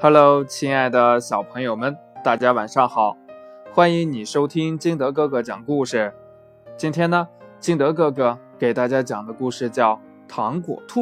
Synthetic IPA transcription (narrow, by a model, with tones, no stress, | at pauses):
xa˥lo˧˥ʊt͡ɕʰi˥ŋa˥˩ɪd̪ə˩ɕjɑ˨˩ʊpʰɤ˧˥ŋjo˨˩ʊmə˦nt̪a˥˩t͡ɕja˥wa˨˩nʂɑ˥˩ŋxɑ˨˩˦ʊxwa˥ni˧˥ŋni˨˩ʂo˥ʊt̪ʰi˥ŋt͡ɕi˥˧ŋt̪ɤ˧˥kɤ˥˧˩ɡɤ˧˩t͡ɕjɑ˨˩ŋə˦ku˥˩ʂɻ̩˥˩ | t͡ɕi˥nt̪ʰjɛ˥nə˨t͡ɕi˥˩ŋt̪ɤ˧˥kɤ˥˩ɡə˩ke˨˩ɪt̪a˥˩t͡ɕja˥t͡ɕjɑ˨˩ŋd̪ə˦ku˥˧ʂɻ̩˥˧t͡ɕjɑ˥˩ʊ | t̪ʰɑ˧˥ŋkwɔ̰˨˩t̪ʰu˥˩